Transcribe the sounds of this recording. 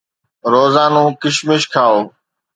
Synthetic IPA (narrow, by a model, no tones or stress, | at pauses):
ɾoːzaːnũːkɪʃmɪʃkʰaːoː